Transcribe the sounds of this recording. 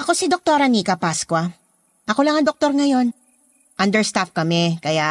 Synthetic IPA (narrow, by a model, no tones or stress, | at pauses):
ʔɐko̞sid̪ok̚t̪oɾɐniːkɐpaskwɐ | ʔɐko̞lɐŋɐŋd̪ok̚t̪o̞ɾŋɐjo̞n | ʔɐnd̪ɛɹst̪afkɐmɛkɐja